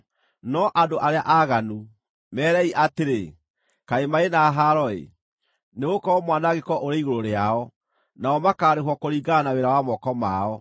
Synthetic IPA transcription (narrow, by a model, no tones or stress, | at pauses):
nɔʔadoʔaɾeaʔaɣanu | mɛːɾɛiʔateɾe | kaemaenaɦaɾɔḛ | neɣokɔɔmwanaɡekɔʔoɾeiɣoɾoɾeaɔ | naɔmakaːɾeɦwɔkoɾiːɡanaweɾawamɔkɔma̰ɔ